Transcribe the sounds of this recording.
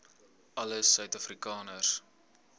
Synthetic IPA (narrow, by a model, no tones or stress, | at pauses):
ʔɐləsœɥtɐfrikɑːnəs